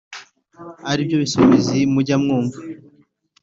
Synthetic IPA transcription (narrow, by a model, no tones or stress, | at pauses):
aɾib̚ɟoβisoβezimuɟamŋuːɱva